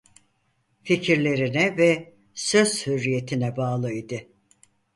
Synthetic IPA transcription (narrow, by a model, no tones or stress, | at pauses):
ficʰiɾlʲe̞ɾinɛvɛ | sø̞zhyɾːije̞t̪ʰinɛbaːlˠɯid̪ɯ